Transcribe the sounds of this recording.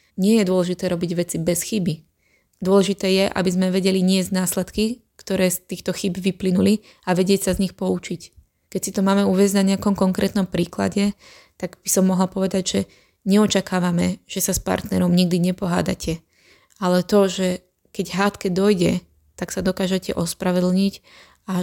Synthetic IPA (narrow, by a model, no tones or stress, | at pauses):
ɲɪɛjɛd̪ʊɔlɛʒit̪ɛːɾɔbiɟʋɛt͡sibɛsxibi | d̪ʊɔlɛʒit̪ɛːjɛʔa̰bizmɛʋɛɟɛliɲɪɛzɟnaːslɛt̪kikt̪ɔɾɛːst̪iːxt̪ɔxibʋiplinuli | aʋɛɟɪɛcsazɲixpɔut͡ʃic | kɛcsit̪ɔmaːmɛuːʋɛzɟnaɲɛakɔmkɔŋkɾʔɛːt̪nɔmpɾiːkla̰ɟɛ | t̪aɡb̥isɔmːɔɦlpɔʋɛd̪aɟʒɛ | ɲɛɔt͡ʃakaːʋamɛʒ̥ɛsaspa̰ɾt̪nɛɾɔmɲiɡ̚d̪iɲɛpɔɦa̰ːd̪a̰cʰɛ | alɛt̪ɔʒɛ | kɛɟɦaːt̪kɛd̪ɔjɟɛ | t̪aksad̪ɔkaːʒɛcɛ̰ʔɔspɾaʋɛd̪l̩ɲic | a